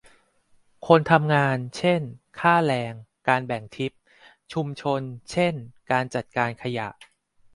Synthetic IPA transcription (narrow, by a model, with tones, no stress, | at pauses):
kʰo˧nt̪ʰa˧mŋaː˧nt͡ɕʰe˥˩nkʰaː˥˩lɛː˧ŋkaː˧nbɛ˨˩ŋt̪ʰi˦˥p̚ | t͡ɕʰu˧mt͡ɕʰo˧nt͡ɕʰe˥˩nkaː˧nt͡ɕa˨˩t̪̚kaː˧nkʰa˧ja̰˨˩ʔ